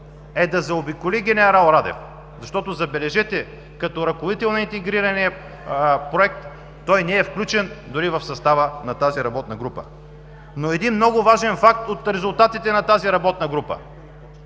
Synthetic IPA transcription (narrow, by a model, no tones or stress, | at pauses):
ɛd̪ɐzɛobikoliɡʲɛnɛɾalˠɾad̪ɛ̰f | zɐʃt̪ɔt̪ozɐbɛlɛʒɛt̪ɛ | kɐt̪ɔɾɐkʊlit̪ɛlˠnɐint̪ɛɡɾiɾɐniɐ | pɾoɛk̚t̪ː | ɔjnɛɛfklʲut͡ʃɛnd̪ʊɾivɐfsɐst̪avənɐt̪aziɾɐbɔt̪nɐɡɾupə̰ | noɛd̪inmnɔɡʊvaʒɛnfak̚t̪ot̪ɾɛzʊlˠt̪at̪it̪ɛnɐt̪aziɾɐbɔt̪̚nɐɡɾupə̰